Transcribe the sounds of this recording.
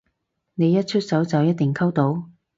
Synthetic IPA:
ne˨˧jɐ˥t̚t͡ʃʰɵ˥t̚sɐ˨˥wt͡sɐ˨wjɐ˥t̪̚ɪ˨ŋkʰɐ˥wt̪o˨˧˥w

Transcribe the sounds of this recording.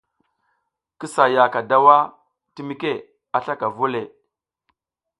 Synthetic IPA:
ki˦sa˨ja˨ka˨da˦wa˦ | ti˦mi˦ke˦˨ | a˨ɬa˦ka˨vu˦le˨

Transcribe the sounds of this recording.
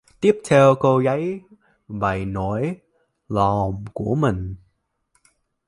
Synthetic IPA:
t̪i˦˥əp̚t̪ʰɛ˧wko˧ɣə˨˦j | va˨˩jno˨˩˦j | lɔ˨˩mku˧˩əmï˨˩ŋ̟

